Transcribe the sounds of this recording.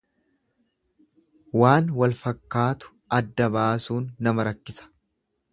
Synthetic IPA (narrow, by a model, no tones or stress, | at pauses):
waːnwɐlfɐkːaːt̪ʊ̥ | ɐd̪ːɐbaːsuːnːɐmɐɾɐkːɪsɐ̥